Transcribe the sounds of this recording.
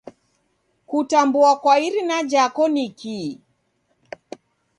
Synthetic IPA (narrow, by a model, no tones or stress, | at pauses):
kutambuakwaiɾinad͡ʒakɔniki